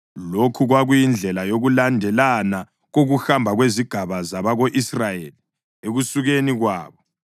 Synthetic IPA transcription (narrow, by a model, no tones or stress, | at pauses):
lokʰuɣwaɣujind͡ɮʱɛlajoɣulandʱɛlana | ɣoɣuxambʱaɣweziɡ̥ʱaβazaβaɣoʔisrajeli | eɣusuɣeniɣwaːβɔ